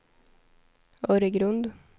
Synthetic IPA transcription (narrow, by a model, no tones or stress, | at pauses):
oːɾəɡɾʉnd̪